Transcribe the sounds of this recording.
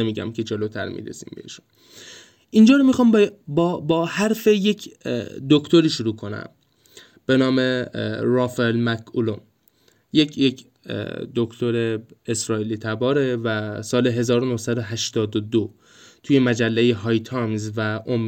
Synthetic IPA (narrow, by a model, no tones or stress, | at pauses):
emiːɟæ̰mcʰe̞d͡ʒelot̪ʰæ̰ɾmḭːɾḛsḭmbehiʃu̥n | ʔind͡ʒɒːɾomixɒːmbbbɒːhæɾfe̞je̞cʰd̪okʰt̪o̞ɾiːʃuɾuːkʰo̞næ̰m | b̥e̞nɒːmeɾɒːfelmækʰulon | jecʰjecʰ | d̪okʰt̪ʰo̞ɾe̞esɾɒːiːliːt̪ʰæbɒːɾevæsɒːle̞ɦe̞zɒːɾonohsæd̪oɦæʃt̪ɒːd̪od̪o | t̪ʰuje̞mæd͡ʒælːejeɦɒːjt̪ʰɒmzvæʔom